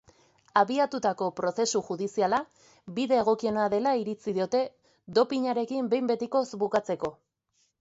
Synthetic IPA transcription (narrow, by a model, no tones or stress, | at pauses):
aβiat̪ut̪ako̞pɾo̞se̞suxuðisiala | biðe̞ːɣ̞o̞kie̞naðe̞laiɾit͡siðio̞t̪e̞ | d̪o̞piɲaɾe̞kimbe̞jmbe̞t̪iko̞sbukat͡se̞ko̞